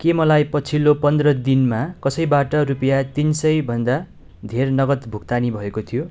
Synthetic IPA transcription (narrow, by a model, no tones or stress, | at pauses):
kemʌlajpʌt͡sʰilopʌnd̪rʌd̪inmakʌsʌjbaʈʌrupʌjat̪insʌjbʱʌnd̪a | d̪ʱernʌɡʌt̪bʱukt̪anibʱʌekot̪ʰijo